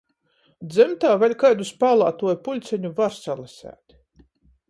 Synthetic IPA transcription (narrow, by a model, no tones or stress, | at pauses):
d̪zɛmt̪aːvʲɛlʲkajd̪uspaːlˠaːt̪uɔjpulʲt̪sɛɲuvaɾsalˠasʲæ̰ːt̪